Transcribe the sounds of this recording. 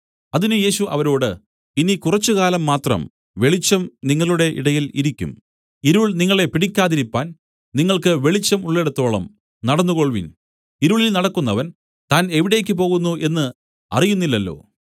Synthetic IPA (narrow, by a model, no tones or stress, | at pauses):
ɐðinɨje̞ːɕuʔɐ̰ʋɐɾo̞ːɽɨ | inikurɐt͡ɕːukaːlɐmːaːt̪rɐ̰m | ʋe̞ɭit͡ɕːɐmniŋːɐɭuɽe̞ʔḭɽɐjilḭɾikʲːṵm | iɾuɭniŋːɐɭe̞piɽikʲːaːðiɾipːaːn | niŋːɐɭkɨʋe̞ɭit͡ɕːɐmuɭːeɽut̪ːo̞ːɭɐ̰m | nɐɽɐnːuɣo̞ɭʋḭn | iɾuɭilnɐɽɐkːunːɐʋɐn | t̪aːne̞ʋiɽe̞ːk̬ʲːɨp̬o̞ːɣunːuʔe̞nːɨ | ɐ̰rijunːilːɐlːo̞̰ː